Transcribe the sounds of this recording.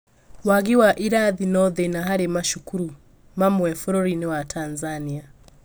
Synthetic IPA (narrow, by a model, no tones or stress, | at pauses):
waɣiwaʔiɾaðinɔðɛnaɦaɾemaʃukuɾu | mamwɛfɔɾɔɾinɛwatʰanzania